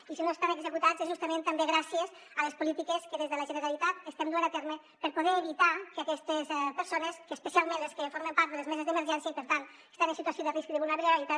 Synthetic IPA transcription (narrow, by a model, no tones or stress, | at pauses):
isinoest̪anəɡzəkut̪azɛzʒust̪əmẽnt̪ambeɣɾasiəz | ələspulit̪ikəskəðezðələʒənəɾalit̪at̪əst̪ɛmd̪uanat̪ɛɾmə | pəɾpuðɛːβit̪akəakɛst̪əspəɾsonəskəːspəsialˠmẽnleskəfoɾmempaɾt̪d̪ðələzmɛzəzðəməɾʒɛnsjəipəɾt̪ant̪ | e̥st̪anənsit̪uasjoðəriskðəβulnaβɾəɾalit̪a